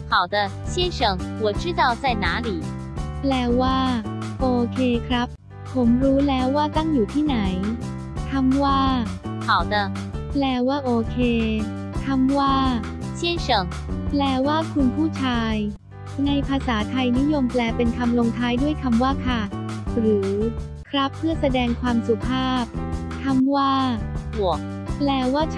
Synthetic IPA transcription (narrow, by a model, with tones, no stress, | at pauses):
xa˨˩wd̪ə˧ɕjɛ˥nʂɤ˨˩˦ŋwɔ˨˩t͡ɕʰɯ˥t̪a˥˩ʊt͡sa˥˩jnaː˨˩˦li˨˩˦ | plɛː˧waː˥˩ʔoː˧kʰeː˧kʰɾa˦˥p̚ | pʰo˩˦mɾuː˦˥lɛː˦˥wːaː˥˩t̪a˥˩ŋjuː˨˩t̪ʰiː˥˩na˩˦j | k̪ʰa˧˥mwaː˥˩xa˨˩wd̪ə˧plɛː˧waː˥˩ʔoː˧kʰeː˧ | k̪ʰa˧mwaː˥˩ | t͡ɕʰi˥˩ət͡ɕɤ˨˩ŋ | plɛː˧waː˥˩kʰu˧npʰuː˥˩t͡ɕʰaː˧j | na˧jpʰaː˧saː˩˦t̪ʰa˧jni˦˥jo˧mplɛː˧pe˧nk̪ʰa˧mlo˧ŋt̪ʰaː˦˥jdu˥˩əjkʰa˧mwaː˥˩kʰa˥˩ɾɯː˩˦ | kʰɾa˦˥pʰːɯ˥˩ɐsa˧dɛː˧ŋkʰwaː˧msu˨˩pʰaː˥˩p̚ | t̪ʰa˧mwaː˥˩bu˨˩ək̚ | plɛː˧waː˥˩